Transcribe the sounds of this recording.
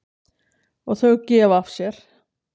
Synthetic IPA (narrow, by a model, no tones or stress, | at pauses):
ɔɣθœɣcɛːvafsjɛɾ̥